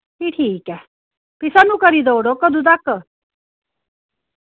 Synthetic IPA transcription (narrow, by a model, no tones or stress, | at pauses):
kiʈʰiːkɛ | pisanũkəɾid̪ɔwɽokəd̪ud̪akə